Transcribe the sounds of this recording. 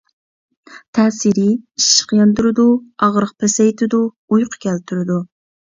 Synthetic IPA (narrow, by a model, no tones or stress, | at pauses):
t̪ʰɛːsiɾɪiʃːə̥qjɑnd̪uɾɨd̪uɑʁɾəq̚pʰɛsɛjt̪ʰɪd̪u | ujqʰə̥kʲʰɛlt̪ʰyɾɪd̪u